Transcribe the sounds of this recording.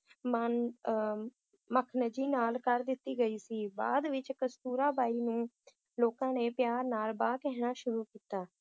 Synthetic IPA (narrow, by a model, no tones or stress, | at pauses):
mən | məkʰnəd͡ʒiːnaːlkəɾd̪ɪt̪ːiːɡəiːsiːba̰ːd̪ʋɪt͡ʃkəst̪uːɾaːbaːiːnũː | loːkãːneːpjaːɾnaːlbaːkɛɦñaːʃʊɾuːkiːt̪aː